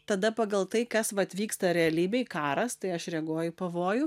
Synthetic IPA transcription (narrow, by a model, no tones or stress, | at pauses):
t̪ɐd̪ɐpɑɡɐlˠt̪ɐɪkɐsʋɐɐt̪ʲʋʲiːkst̪ɐɾʲɛɐlʲiːbʲɛɪkɑːɾɐst̪ɐɪɐʃɾʲɛɡoɔjʊpɐʋoːjʊ